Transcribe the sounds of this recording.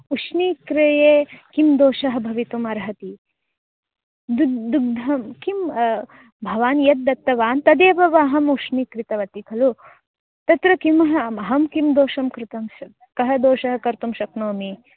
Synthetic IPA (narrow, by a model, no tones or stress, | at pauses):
uʂniːkɾɐjeːkimd̪oːʃɐɦɐ̆bʱɐʋit̪umɐɾɦɐt̪i | d̪ud̪uɡ̚d̪ʱɐmkim | bʱɐʋaːnjɐt̪̚ːɐt̪ːɐʋaːnt̪ɐd̪eːʋɐʋaːɦɐmuʂniːkɾit̪ɐʋɐt̪ikʰɐlu | t̪ɐt̪ɾɐkimɐɦɐɐɦɐmkimd̪oːʃɐmkɾɪt̪ɐm | kɐɦɐd̪oːʃɐɦɐ̆kɐɾt̪umʃɐknoːmi